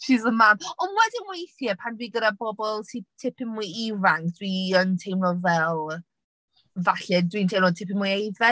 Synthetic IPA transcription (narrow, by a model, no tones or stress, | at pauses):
ʃizəmaːmɔnwɛdɪnmueɪjθjɛpʰandwiːɡəɾabɔbɔlˠtʰɪp̚tʰɪpʰɪnmujivaŋkd̥wiəntʰejmlɔvɛlˠ | vaɬɛdwintʰejmnɔtʰɪpɪmujejvɛ